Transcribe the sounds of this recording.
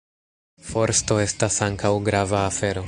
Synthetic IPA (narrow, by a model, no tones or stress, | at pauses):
fo̞ɾsto̞e̞stasaŋkawɡɾavaːfe̞ɾo̞